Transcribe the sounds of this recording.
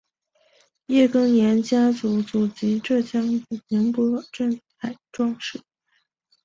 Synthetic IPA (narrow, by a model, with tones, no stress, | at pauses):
jɛ˥˩kɤ˥ŋnjɛ˧˥nt͡ɕja˥t͡su˧˥t͡su˨˩t͡ɕi˧˥ʈ͡ʂɤ˥˩ɕʰjɑ˥ŋt͡su˨˩pʰɛ˧˥ŋpɔ˧˥ʈ͡ʂə˥˩ŋt͡sʰa˨˩˦ɪʈ͡ʂwɑ˥˧ŋʂɻ̩˥˩